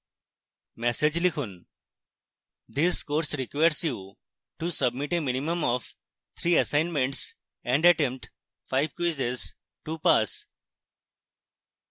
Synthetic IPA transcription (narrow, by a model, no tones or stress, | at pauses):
mɛsed͡ʒlikʰun | d̪iskoːɾsɾikʋajəɾsju | ʈusəbmiʈeminimə̃mɔf | t̪ʰɾiːəsãɪnmẽɳʈs | ɛ̃ɳɖɐʈẽmpʈ | faɪʋkoːsez | ʈupas